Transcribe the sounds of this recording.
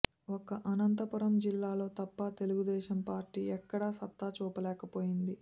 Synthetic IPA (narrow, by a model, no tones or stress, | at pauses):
okɐʔɐnɐnt̪ɐpuɾɐmd͡ʒilːaːlo̞ːt̪ɐpːɐt̪e̞luɡud̪ɛːʃɐmpaːɾʈiːɛkːɐɽaːsɐt̪ːaːt͡ʃuːpɐlɛːkɐpo̞ːjind̪i